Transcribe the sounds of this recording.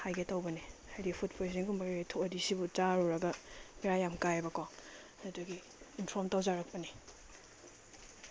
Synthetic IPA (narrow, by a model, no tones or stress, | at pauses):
hajɡetawbɐnehajdipʰut̚pʰos̬inɡumbaɡɾetʰodisibut͡ʃaɾuɾɐɡɐbiɾajamkajbɐkɔ | aduɡiː | npʰɔmtawzaɾɐk̚pɐni